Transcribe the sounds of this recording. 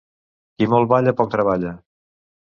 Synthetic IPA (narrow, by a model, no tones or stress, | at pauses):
kimɔlˠβaʎəpɔk̚t̪ɾəβaʎa